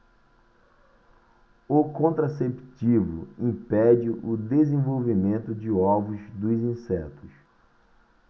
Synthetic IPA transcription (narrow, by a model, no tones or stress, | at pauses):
ʊkõnt̪ɾasept͡ʃivʊ̰ĩpɛd͡ʒɪʔʊd̪ezẽvowvimẽnt̪ʊd͡ʒɪɔvʊzd̪ʊzĩsɛt̪ʊs